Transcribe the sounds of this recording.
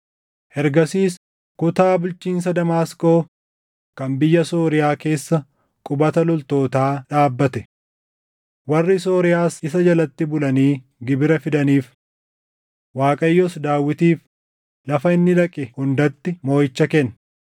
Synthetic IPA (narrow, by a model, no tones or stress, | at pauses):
hɛɾɡɐsiːs | kʊt̪aːbʊlt͡ʃiːns̬ɐd̪ɐmaːsko̞ː | kɐmbɪjːɐsoːɾɪjaːke̞ːsːɐ | kʼʊbɐt̪ɐlɔlt̪o̞ːt̪aːᶑaːbːɐt̪ɛ | wɐrːɪso̞ːɾɪjaːsɪsɐd͡ʒɐlɐt̪ːɪbʊlɐniː | ɡɪbɪɾɐfɪd̪ɐniːf | waːkʼɐjːɔsd̪aːwːɪt̪iːf | lɐfɐɪnːɪᶑɐkʼɪhʊnd̪ɐt̪ːɪmo̞ːjɪt͡ʃːɐkɛn